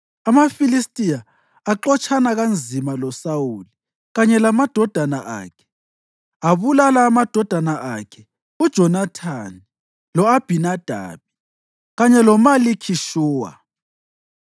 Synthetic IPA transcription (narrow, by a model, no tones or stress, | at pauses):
amafilistʼijaː | ǃɔt͡ʃʰʼanaɣand͡zʱimalɔsauli | ɣaɲɛlamad̥ʱɔd̥ʱanaʔa̰ːkʰɛ̥ | aβulalaːmad̥ʱɔd̥ʱanaʔakʰɛ̥ | ud̥ʒ̥ʱɔnatʰani | lɔab̥ʱinad̥ʱa̰βi | ɣaɲɛlɔmalikʰiʃuːwa̰